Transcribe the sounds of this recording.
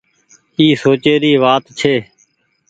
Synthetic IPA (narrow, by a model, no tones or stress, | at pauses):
iːsoːt͡ʃeːɾiːʋaːt̪t͡ʃʰeː